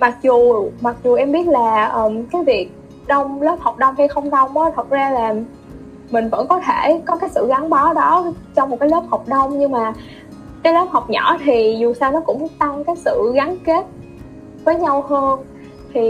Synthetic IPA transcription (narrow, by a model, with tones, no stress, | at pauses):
ma˨˩k̚zu˨˩ma˨˩k̚zu˨˩ʔɛ˧mɓi˦˥ət̚laː˨˩ʔəː˨˩mkaː˨˦jvi˨˩ək̚ | ɗə˧wŋ͡mlə˦˥p̚hɔ˨˩wk͡p̚ɗə˧wŋ͡mhi˧jxə˧wŋ͡mɗə˧wŋ͡mɔ˨˦t̪ʰə˨˩t̚zaː˧laː˨˩m | mï˨˩ŋ̟və̰˧˥nkɔ˨˦t̪ʰe˧˩kɔ˨˦kaː˨˦jsɨ̰˧˨ɣa˨˦nɓa˨˦ɗɔ˨˦ | t͡ɕɔ˧wŋ͡mm˨˩t̚kaː˨˦jlə˦˥p̚hɔ˨˩wp̚ɗə˧wŋ͡mɲɨ˧ŋmaː˨˩ | kaː˨˦jləː˦˥p̚ha˨˩wk͡p̚ɲɔ̰˧˥t̪ʰi˨˩zu˨˩saː˧wnɔ˨˦kʊ̰˧˥ŋ͡mt̪a˧ŋkaː˨˦jsɨ̰˧˨ɣa˨˦nke˦˥t̚ | vəː˨˦jɲa˧whəː˧n | t̪ʰi˨˩